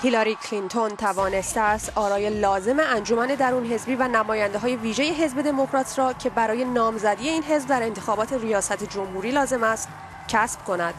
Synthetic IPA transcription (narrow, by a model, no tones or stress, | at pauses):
hilɒɾikʰlint̪ʰo̞nt̪ʰævɒːne̞st̪eæst̪ʔɒːɾɒːje̞lɒːze̞meænd͡ʒo̞mæne̞d̪æɾuːnɦe̞zbiːvænæmɒːjænd̪e̞ɦɒːje̞viːʒe̞je̞ɦe̞zbe̞d̪e̞mokɾɒːt̪ʰɾɒːcʰe̞bæɾɒːje̞nɒːmzæd̪ije̞iːnɦe̞zbd̪æɾe̞nt̪ʰe̞xɒːbɒːt̪ʰe̞ɾijɒːsæt̪ʰed͡ʒo̞mhuːɾiːlɒːze̞mæst̪ | cʰæsb̥kʰo̞næd̪̥